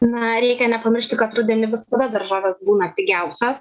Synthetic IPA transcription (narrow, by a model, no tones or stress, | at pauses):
nɐɾʲɛɪkʲɛnʲɛpɐmʲɪɾʲʃʲt̪ʲɪkɐt̪ɾʊd̪ʲɛnʲɪʋʲɪsɐd̪ɐd̪ɐɾʒɑːʋʲeːsbuːnɐtʲɪɡʲɛʊsʲoːs